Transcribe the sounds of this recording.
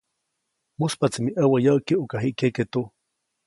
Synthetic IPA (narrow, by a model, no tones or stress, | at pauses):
muspat͡simiʔəwajawkiʔukaɦiʔkeket̪u